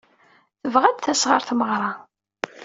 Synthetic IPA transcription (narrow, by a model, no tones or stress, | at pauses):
θəvʁæd̪θæsʁəɾˤθməʁɾˤɑ